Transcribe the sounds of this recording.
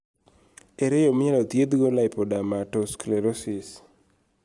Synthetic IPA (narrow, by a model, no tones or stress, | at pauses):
eɾɛjomɪɲalɔt̪jed̪ɡolaɪpɔdamatɔskleɾosɪs